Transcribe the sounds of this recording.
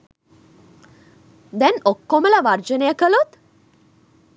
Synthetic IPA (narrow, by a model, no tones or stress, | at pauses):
d̪ɛnokːoməlɐʋaɾd͡ʒənejəkəlut̪